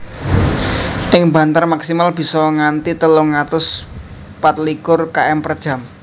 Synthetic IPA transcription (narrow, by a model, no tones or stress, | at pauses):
ʔɪŋba̤nt̪armaksimalb̥i̤sɔŋant̪it̪əlʊŋːat̪ʊs | pat̪̚likʊrkaʔɛmpərd̥ʒ̥a̤m